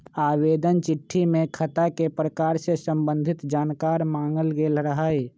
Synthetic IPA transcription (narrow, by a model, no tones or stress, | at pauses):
aːʋeːd̪ənt͡ʃɪʈʰːimẽkʰɐt̪akepɾəkaːɾsesə̃mbə̃nd̪ʱɪt̪d͡ʒaːnkaːɾmaːŋɡəlɡeːlɾəɦaːe